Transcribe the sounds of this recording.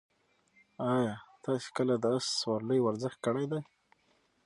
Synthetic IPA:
ɑjɑt̪ɑse̥kəlad̪əasswɑɾləjwaɾzɪxt̪̚kəɽajd̪aj

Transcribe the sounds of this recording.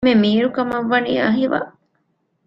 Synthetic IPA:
memiːɾukɐmɐʋːɐniːɐɦiʋa̰

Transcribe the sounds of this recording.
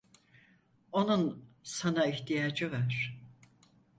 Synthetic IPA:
o̞nunsanaiht̪ʰijaːd͡ʒɯvaɾ̥

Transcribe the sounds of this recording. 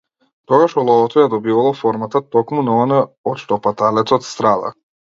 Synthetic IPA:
t̪ɔɡaʃɔlˠɔɔt̪ɔjad̪ɔbivalˠɔfɔɾmat̪at̪ɔkmunaɔnaɔt̪ʃt̪ɔpat̪alɛt̪sɔt̪st̪ɾad̪a̰

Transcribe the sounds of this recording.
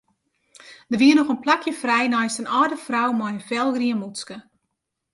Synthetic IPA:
d̥ərʋiənɔxənplakjəfrɛjnɔjstənɔːdəfrawmɔjənfɛlˠɡriənmuskə

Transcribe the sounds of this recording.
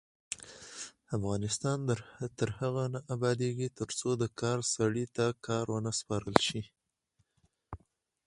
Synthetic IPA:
afɣɑnɪst̪ɑnd̪ət̪əɾhaɣanaʔabɑd̪eɡit̪əɾt͡sod̪əkɑɾsaɽit̪akɑɾwənaspɑɾəlʃi

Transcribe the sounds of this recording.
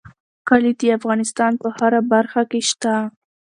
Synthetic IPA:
kalid̪əafɣɑnɪst̪ɑnpəhaɾabaɾxakeʃt̪a

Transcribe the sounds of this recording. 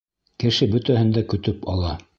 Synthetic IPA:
kɘ̆ʃɘbɵt̪æhɘ̆nd̪ækɵ̆t̪ɵpɑlˠɑ

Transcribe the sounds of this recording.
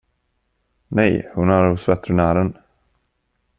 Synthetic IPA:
nɛjhʊnæɾhʊsvɛt̪ːɾənæːɾən

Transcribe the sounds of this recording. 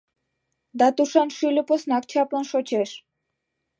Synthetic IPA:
d̪at̪uʃanʃulʲoposnak̚t͡ɕʰaplanʃot͡ɕʰeʃ

